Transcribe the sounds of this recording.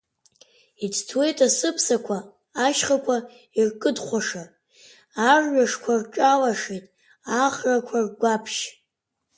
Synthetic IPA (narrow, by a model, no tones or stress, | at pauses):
it͡sʰtʰwe̞jtʼasɨpʰsakʷʰaː | ʃχakʷʰa | irkʼɨdχʷaʂa | arɥaʂkʷʰarʈ͡ʂʼalaʂetʼ | aχrakʷʰarɡʷapʰʃ